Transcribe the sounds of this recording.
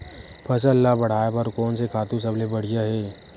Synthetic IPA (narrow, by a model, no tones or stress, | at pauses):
pʰɐsəlːabɐɽ̤aːjepɐɾkɔːnsekʰaːt̪ũs̬ɐblebɐɽ̤ijaɦɛː